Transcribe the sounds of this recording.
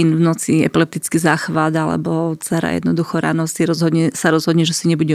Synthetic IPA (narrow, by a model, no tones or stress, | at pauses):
invnɔt͡siɛ̰pilɛp̚t̪it͡skizaːxʋad̪alɛ̰bɔt͡sɛɾa̰jɛ̰d̪nɔd̪uxɔɾa̰nɔsiɾɔzɦɔd̪ɲɛsaɾɔzɦɔd̪ɲɛʒɛsiɲɛbuɟɛ